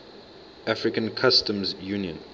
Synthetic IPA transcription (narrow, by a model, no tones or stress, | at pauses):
ʔafɹikə̃nkʰastə̃mzjuniə̃n